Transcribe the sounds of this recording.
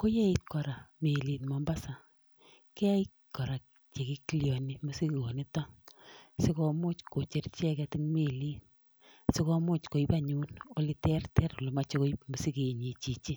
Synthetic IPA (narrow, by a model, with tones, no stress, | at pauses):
ko˦je˦i˦t̚kɔ˨ɾa˨me˨li˨tma˨mba˦sa˨ | kɛ˦a˦i˦ | kɔ˨ɾa˨k | t͡ʃe˨ki˦ki˦ljɔ˨ni˨mu˦si˦ko˨ni˦tɔ˦ | si˦kɔ˧mʊ˦t͡ʃko˨t͡ʃe˨rt͡ʃɛ˦kɛ˧tɪ˦ŋme˨liː˦t | sɪ˦kɔ˦mʊ˦t͡ʃko˨i˦pa˦˨ɲu˦no˨li˦tɛ˦rtɛ˦ɾo˨lo˨ma˦t͡ʃo˦ko˦i˦pmu˨si˦ke˨ɲi˨t͡ʃi˨t͡ʃi˦